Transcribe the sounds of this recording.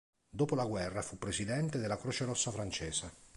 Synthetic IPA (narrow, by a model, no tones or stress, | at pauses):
d̪oːpolaɡwɛrːafupːɾesid̪ɛnt̪ed̪ɪlːakɾoːt͡ʃeɾɔsːafɾant͡ʃɛːsa